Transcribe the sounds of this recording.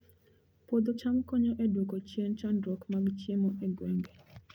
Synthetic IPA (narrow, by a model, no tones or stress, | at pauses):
pod̪ot͡ʃamkɔɲɔʔedwokɔt͡ʃjent͡ʃandɾɔkmaɡt͡ʃjemɔʔeɡwɛŋɡɛ